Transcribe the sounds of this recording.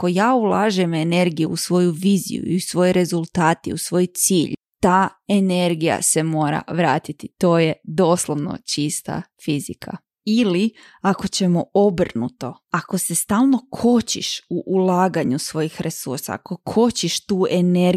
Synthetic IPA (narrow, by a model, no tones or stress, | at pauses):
ako̞jaːulˠaːʒɛme̞ne̞ɾɡijuusʋo̞juʋiːzḭjṵḭusʋo̞jɾe̞zulˠt̪aːt̪ḭusʋo̞jt̪siːʎ | t̪aːe̞ne̞ɾɡija̰se̞mo̞ːɾa̰ʋɾaːt̪it̪it̪o̞ːjed̪o̞ːslˠoʋno̰t͡ʃist̪a̰fizikʰa̰ | ili | ako̞t͡ɕe̞mo̞o̞brnut̪o̞ | ako̞se̞st̪aːlˠno̞kʰo̞t͡ɕḭʃuʔulˠaːɡaɲusʋo̞jixɾʔe̞sṵɾsa̰ako̞kʰo̞t͡ɕiʃt̪uːʔe̞ne